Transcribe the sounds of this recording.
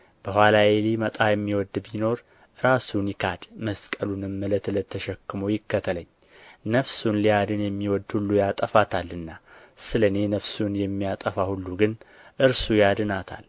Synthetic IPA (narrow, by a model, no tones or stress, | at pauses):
b̥əhwalajelimət̪ʼajɛmːiwɔd̪bino̞ɾ | ɾasunjɪkʰad̪məskʼəlunɨmːələt̪lət̪ʰːəʃɛkːɨmojɪkːət̪ʰələɲː | nəfsunliad̪ɨnjɛmːiwɔd̪hulːujat̪ʼəfat̪ʰalːɨnːa | sɨləne̞nəfsunjɛmːijat̪ʼəfahulːuɡɨn | ʔɨɾsujad̪ɨnat̪ʰa̰l